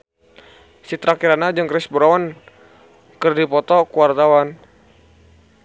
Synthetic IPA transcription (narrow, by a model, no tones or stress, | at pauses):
sit̪ɾakiɾanad͡ʒɨŋkɾɛsbɾawan | kɨrdipɔt̪ɔkuart̪awan